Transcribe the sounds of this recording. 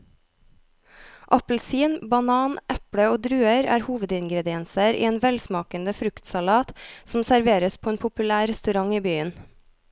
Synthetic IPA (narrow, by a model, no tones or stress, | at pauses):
ʔɑpl̩siːnbɑnɑːnʔɛpɽəoːd̪ɾʉːəɾæ̰ːɾhuːʋəd̪ɪŋɡɾɛd̪ɪɛnsəɾʔḭːeːnʋɛlsmɑːkənd̪əfɾʉkt̪sɑlɑːt̪sm̩sæɾʋeːɾəspʰoːeːnpʰʊpʉlæːɾɛst̪ʉɾɑŋiːbyːən